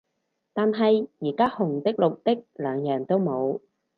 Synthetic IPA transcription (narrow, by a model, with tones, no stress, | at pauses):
t̪aː˨nɦɐ˨jjiː˨˩kaː˥hʊ˨˩ŋt̪ɪ˥k̚lʊ˨k̚t̪ɪ˥k̚lœː˨˧ŋjœː˨˩ŋt̪o˥wmo˨˧w